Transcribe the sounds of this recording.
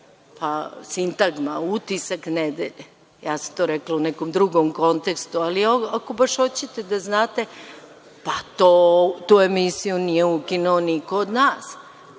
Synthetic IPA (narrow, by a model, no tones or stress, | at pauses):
pasint̪aɡma̰ut̪isakned̪ḛʎe | jaːsḁmt̪oɾɛklaunɛkomd̪ɾuɡomko̞nt̪ekst̪ualioakobaʃot͡ɕet̪e̞d̪aznaːt̪e̞ | pat̪ot̪uːe̞misijunijeukinuonikoːd̪naːs